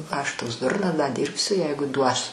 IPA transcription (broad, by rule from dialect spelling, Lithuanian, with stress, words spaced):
ɐʃ ˈtoːks ˈdʊrnɐs dɐ ˈdʲiːrʲpʲsʲʊ ˈjɛɪɡʊ duɔs